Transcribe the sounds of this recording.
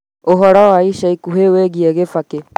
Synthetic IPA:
oɦɔɾawaiʃaikuɦeweɣiɛɣefake

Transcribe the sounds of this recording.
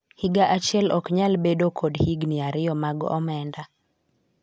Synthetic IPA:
hiɡaʔat͡ʃɪɛlɔkɲalbedokʰodhiɡniaɾɪɔmaɡɔ̰mɛnda

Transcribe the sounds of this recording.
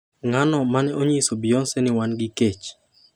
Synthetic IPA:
ŋanɔmanɛʔoɲisobɪonsɛnɪwanɡɪket͡ʃ

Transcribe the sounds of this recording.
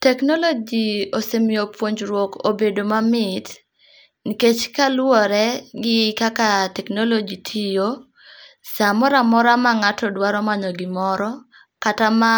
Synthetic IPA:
tɛknɔlod͡ʒiosemiopwoɲd͡ʒɾwɔko̰bedomamɪt | niket͡ʃkalwɔɾɛɡɪkakatɛknolod͡ʒitʰijo | samɔɾamɔɾamaŋatɔdwaɾɔmanɔɡɪmɔɾɔ | katama

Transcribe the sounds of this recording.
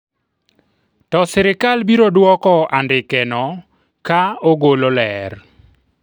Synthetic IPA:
tɔsɪɾɪkalbiɾodwɔkɔandɪkɛnɔ | kaoɡololɛr

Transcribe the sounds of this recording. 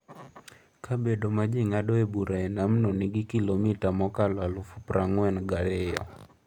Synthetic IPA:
kʰabedomad͡ʒɪŋadɔebuɾʔaɛnamnɔnɪɡɪkilomitamɔkalwalʊfupɾaŋwɛnɡalɛjɔ̰

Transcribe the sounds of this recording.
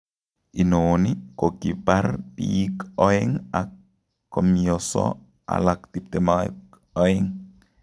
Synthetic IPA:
ʔinonikokibaɾdikɔɛŋakː | ɔmjɔsɔ̰ | a̰laktip̚tɛmak | ɔɛŋ

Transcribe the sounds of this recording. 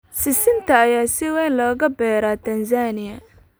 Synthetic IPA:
sɪsɪnt̪ʰɐːjaːsɪwɛːnlɔːɣɐbɛːɾaːt̪ʰɐnsaːnɪjɐ

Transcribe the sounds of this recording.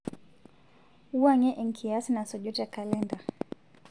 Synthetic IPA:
uwaɲɛʔɛŋ̩kʰiasinasɔʄɔtakalɛnda

